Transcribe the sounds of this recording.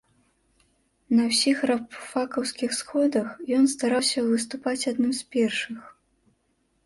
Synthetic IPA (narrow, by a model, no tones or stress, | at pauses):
nɐwsʲixrapfakɐwskʲixsxɔd̪ɐxjɔnst̪aɾawsʲɐvɨs̬t̪upat͡sʲad̪nɨmspʲɛrʂɨx